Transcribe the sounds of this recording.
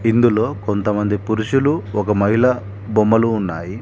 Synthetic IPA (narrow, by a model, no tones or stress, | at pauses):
ind̪ulo̞ːko̞nt̪ɐmɐnd̪ipuɾuʃuluɔkɐmɐɦilɐ | bomːɐluːnːaːji